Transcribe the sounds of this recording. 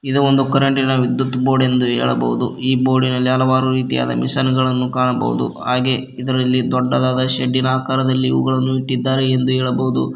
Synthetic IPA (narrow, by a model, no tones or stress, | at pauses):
id̪uond̪ukɐɾɐɳʈiːnɐʋid̪jut̪ːbo̞ːɖe̞nd̪uɦɛ̰ːɭɐ̰bɐ̰ʋud̪uiːbo̞ːɖinɐlːiɐlɐʋaːɾuɾiːt̪ija̰ːd̪ɐ̰misɐnɡɐɭɐnːukaːɳɐbɐ̰ʋṵd̪ṵɦaːɡe̞ | id̪ɐɾɐlːid̪ɔɖːɐd̪aːd̪ɐʃeɖːinɐaːkaːɾɐd̪ɐlːiḭʋɐ̰ɡɐɭɐnːuiʈːid̪ːaːɾeːnd̪uɦɛːɭɐbɐwud̪ṵ